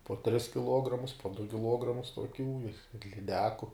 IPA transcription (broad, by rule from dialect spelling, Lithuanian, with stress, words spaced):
poː tʲrʲɪs kʲɪˈlˠuɔɡrɐmʊs poː dʊ kʲɪˈlˠuɔɡrɐmʊs tuɔˈkʲuː ɪ ɪr lʲɪˈdʲæːkʊ